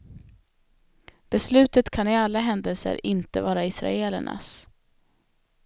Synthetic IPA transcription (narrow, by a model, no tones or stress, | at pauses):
b̥ɛslʉ̟ːt̪ət̪kʰanɪalːaɦɛnd̪əlsə̰ɾɪnt̪əvɑːɾaɪsɾa̰eːlə̰ɳʔa̰s